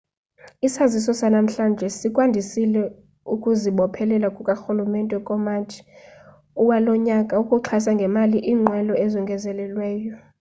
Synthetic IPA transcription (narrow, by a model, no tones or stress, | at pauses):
isazisɔsanam̩ɬand͡ʒʱɛsikʼwandʱisilɛ | ukʼuziɓɔpʰɛlɛlakʼukʼaxulumɛntʼɛkʼɔmat͡ʃʰi̥ | uwalɔɲakʼaukʼuǁʰasaŋɡʱɛmaliʔiːŋ͡ǀʱwɛlɔɛzɔŋɡʱɛzɛlɛlwɛːjɔ